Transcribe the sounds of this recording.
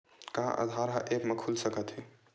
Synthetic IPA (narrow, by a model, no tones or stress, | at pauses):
kaã̰ʔə̰d̪ʱaɾɦəʔekmekʰulsəkət̪ɦi